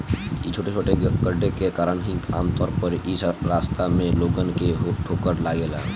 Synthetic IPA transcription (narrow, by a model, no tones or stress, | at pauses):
it͡ʃʰoːʈet͡ʃʰoːʈeɡəɖʱekekaːɾənɦĩkaːmt̪ɔːɾpəɾisɾaːst̪amẽloːɡənkeɦoʈʰoːkəɾlaɡela̰ː